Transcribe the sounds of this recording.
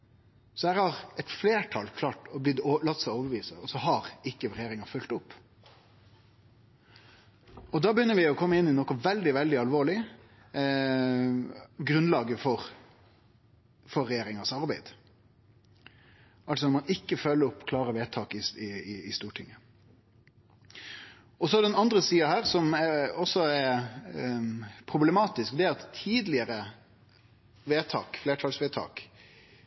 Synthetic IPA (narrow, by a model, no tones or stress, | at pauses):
sɔhæːɾhɑɾɛt̪fleːʈʰɑlkʰlɑːʈɔblɪd̪lɑt̪ːsɛɪoːʋəɾʋiːsəɔsɔɦɑɾɪkːəɾɛjeːɾɪŋɑfʉlt̪ʊpː | ɔd̪ɑːbəjʏnːəɾʋɪɔkʰɔmːəɪnːɪnɔkɔʋɛld̪ɪʋɛld̪ɪɑlʋoːɭɪ | ɡɾʉnlɑːɡəfɔɾ | fɔɾːɛjeːɾɪŋɑsɑɾbæɪd̪ | ɑls̬ɔnɔmɑnɪkːəfœlːəɾɔpːkʰlɑːɾəʋeːt̪ʰɑːkɪsɪɪɪst̪uːʈʰɪŋːə | ɔsɔæɖ̪ɛɛnɑnd̪ɾəsiːɑhæːʁsɔmɛɔsɔɛɾ | pʰɾʊblɛmɑːt̪ɪskd̪ɛæɾɑt̪ʰːiːd̪lɪəɾə | ʋeːt̪ʰɑ̰ːkfleːʈʰɑːlsʋeːt̪ʰɑ̰ːk